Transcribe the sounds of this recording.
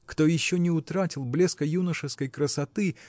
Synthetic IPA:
kt̪o̞jɪɕːonʲɪʊt̪ɾatʲɪlˠblʲeskəjunəʂɨskəjkɾəsɐt̪ɨ

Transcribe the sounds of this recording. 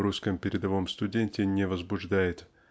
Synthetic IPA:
ɾuskəmpʲɪɾʲɪd̪ɐvo̞mst̪ʊdʲenʲtʲɪnʲɪvəzbʊʐd̪ajɪt̪

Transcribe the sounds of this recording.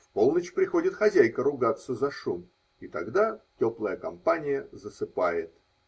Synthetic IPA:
fpo̞lˠnət͡ɕpɾʲɪxo̞dʲɪt̪xɐzʲæjkəɾʊɡat̪sːəzɐʂum | it̪ɐɡd̪atʲoplˠəjəkɐmpanʲɪjəzəsɨpajɪt̪̚

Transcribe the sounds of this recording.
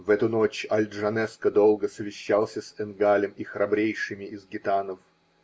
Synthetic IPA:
vɛt̪ʊnot͡ɕɐlʲd̪ʐɐnɛskəd̪olˠɡəsəvʲɪɕːalˠsʲəsɛnɡalʲɪmixɾɐbɾʲejʂɨmʲɪɪzɡʲɪt̪anəf

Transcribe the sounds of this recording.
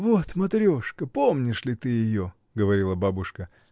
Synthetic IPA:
vot̪mɐt̪ɾʲoʂkəpo̞mnʲɪʂlʲɪt̪ɨjɪjo | ɡəvɐɾʲilˠəbabʊʂkə

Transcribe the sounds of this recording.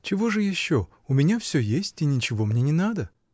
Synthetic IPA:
t͡ɕɪvo̞ʐɨjɪɕːo̞ | ʊmʲɪnʲafsʲɵjesʲtʲinʲɪt͡ɕɪvo̞mnʲenʲɪnad̪ə

